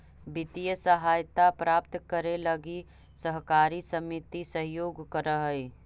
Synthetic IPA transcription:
bɪt̪ijəsəɦaːjt̪apɾaːp̚t̪kəɾeləɡi | səɦkaːɾisəmit̪isəɦjoːɡkəɾəɦəi

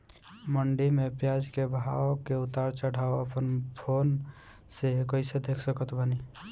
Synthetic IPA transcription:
məɳɖimepjad͡ʒkebʱawokeut̪aɾt͡ʃəɽ̤aoəpənpʰon | sekəɪsed̪ekʰsəkət̪bəni

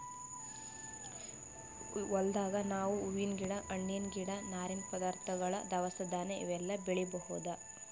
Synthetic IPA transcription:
ɔld̪aːɡɐnaːʋuːʋinɡiɽɐʔɐɳːinɡiɽɐnaːɾinpɔd̪aːɾt̪ʰɐɡɐɭɐd̪ɐʋɐsɐd̪aːneḭʋɛlːɐbiɭibɐhud̪ɐ

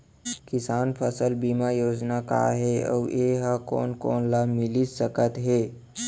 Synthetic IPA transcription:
kɪsaːnpʰəsəlbimajoːd͡ʒnaka̰ɦeɔ̰ːeɦəko̰ːnkoːnlamɪlisəkət̪ɦeː

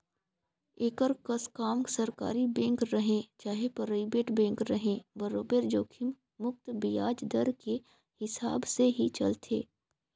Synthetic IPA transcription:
eːkəɾkəskaːmsəɾka̰ːɾibɛ̃ːŋkɾɐɦẽt͡ʃaːɦepəɾəɪbeːʈbɛ̃ːŋkɾɐɦẽbəɾoːbeːɾd͡ʒoːkʰɪm | mʊk̚t̪bɪjaːd͡ʒd̪əɾke | hɪsaːbseɦit͡ʃɐ̰lt̪ʰḛː

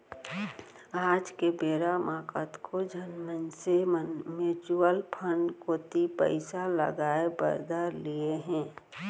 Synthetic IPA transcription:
aːd͡ʒkebeːɾamaːkə̰t̪kʰod͡ʒʱənmənsemet͡ʃuəlpʰənɖkoːt̪ipə̰ɪsalə̰ɡaːebə̰ɾd̪əɾlieɦɛ̃ː

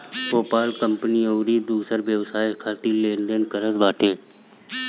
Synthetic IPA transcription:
koːpaːlkəmpənioːɾid̪uːsəɾʋjəʋsaːjkʰaːt̪ilẽːnd̪ənkəɾəzbaːʈʰẽː

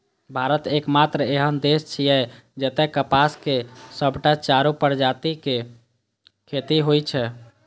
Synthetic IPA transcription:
bʱaɾət̪ekmat̪ɾəeɦənd̪est͡ʃʰijɛ | d͡ʒət̪ɛkəpaskesəbʱʈat͡ʃaɾupəɾd͡ʒat̪ike | kʰet̪iɦojt͡ʃʰɛ

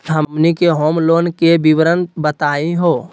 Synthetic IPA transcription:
ɦənikeɦoːmloːnkebiʋɾənbət̪aːiɦoː

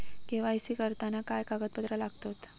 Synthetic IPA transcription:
kĩʋaisikəɾt̪anakajkaɡət̪̚bəd̪ɾalaɡt̪ot̪

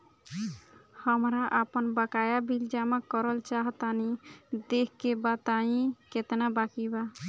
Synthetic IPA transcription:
həmɾaʔapɔnbəkajabʱild͡ʒamakɔɾɔlt͡ʃaɦt̪anid̪ekʰkebat̪aĩket̪enabakiba

